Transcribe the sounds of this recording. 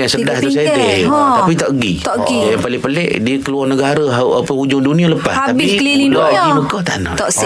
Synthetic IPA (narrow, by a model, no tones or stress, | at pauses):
jaŋsədahat̪sadeapit̪ɔʔəɡit̪ʔɡijaŋpalɪŋpəlɛʔdiəkəluɔrnəɡaɾəɦaʔapəud͡ʒʊŋdunialəpa̰aabiikəlililaʔɡiməkaht̪ana̰ʔs